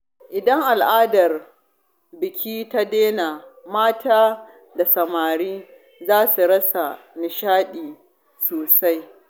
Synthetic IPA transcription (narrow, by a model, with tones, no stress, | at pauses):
ʔɪ˨dɐ˦ŋʔa˨lʔaː˦dɐ˨r | bɪ˨kʲʰiː˦ta˦deː˦naː˨maː˦tʰaː˦ | da˨sɐ˨maː˨ɽiː˦ | zaː˦su˨ɽɐ˦sa˨nɪ˨ʃaː˦ɗiː˨ | soː˨sa˦j